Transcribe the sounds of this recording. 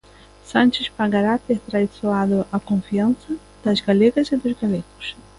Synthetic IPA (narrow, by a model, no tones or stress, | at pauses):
sãnt͡ʃɪspaɡaɾat̪ɛt̪ɾaisoad̪ʊʔakõfiãnsɐ | d̪̥ɐzɡalɛɡɐzɪd̪ʊzɡalɛkʊ̥s